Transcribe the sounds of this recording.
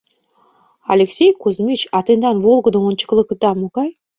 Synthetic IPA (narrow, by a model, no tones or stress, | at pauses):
ɑ̰lʲeksʲejkuzmʲit͡ɕɑt̪end̪ɑnβolˠɡə̆d̪omont͡ɕə̥̆klˠɤ̆k̆d̪ɑmoɣɑj